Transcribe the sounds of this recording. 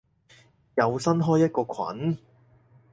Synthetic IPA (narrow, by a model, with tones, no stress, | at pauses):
jɐ˨˧wsɐ˥nɦɔː˥jːɐ˥t̚kɔː˧kʷʰɐ̰˨˥n